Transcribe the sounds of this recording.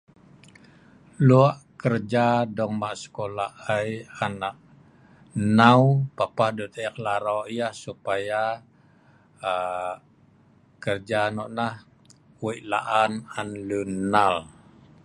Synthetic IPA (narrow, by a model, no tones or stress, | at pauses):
luaʔkərd͡ʒadɔŋmaʔsə̥kolaajanaʔ | naupapahdut̪əklaɾɔʔjahsupaja | kərd͡ʒanɔʔnah | wiʔlaʔananlunal